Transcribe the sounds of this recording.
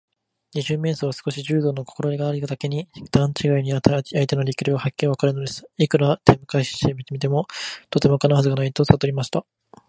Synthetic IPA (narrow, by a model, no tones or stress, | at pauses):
ɲ̟iʑɨːme̞ːsoβ̞asɨ̥ko̞ɕiʑɨːd̪o̞ːnokoko̞ɾo̞ɾʲiɡaːɾʲik̪ad̪ake̞ɲ̟id̪̥ãɲ̟t͡ɕiɡaiɲ̟iat̪aait̪e̞no̞ɾʲikʲɯɾʲiβahakʲːiɾiβakaɾɯ̟no̞d̪e̞sɨ̥ikɯ̟ɾat̪ʰẽ̞mːɯ̟kaiɕi̥ɕt̪emʲit̪emʲit̪̬e̞mo̞t̪o̞t̪e̞mo̞kanaɦazɨɡanait̪osat̪o̞ɾʲimaɕi̥t̪a